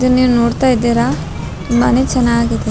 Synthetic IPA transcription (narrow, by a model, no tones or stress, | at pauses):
d̪ɐniːʋunoːɽt̪aːjid̪iːɾaː | timːanet͡ʃɛnːaːɡid̪e